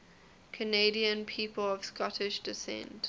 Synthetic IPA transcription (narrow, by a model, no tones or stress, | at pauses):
kʰəneɪɾiə̃npʰiːpəlɔv̥skɔtʰɪʃd̥ɪsɛ̰̃nt